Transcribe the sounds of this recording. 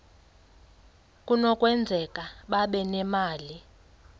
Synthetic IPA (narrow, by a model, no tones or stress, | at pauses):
kʼunɔkʼwɛnd͡zʱɛkʼaɓaɓɛnɛmaːli